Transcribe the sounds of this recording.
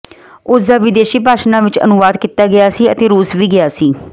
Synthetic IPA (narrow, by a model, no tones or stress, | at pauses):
ʊsd̪aːʋɪd̪eːʃiːpaːʃnãːʋɪt͡ʃə̰nʊʋaːd̪kit̪aːɡɪjaːsiːət̪eːɾuːsʋiːɡɪjaːsiː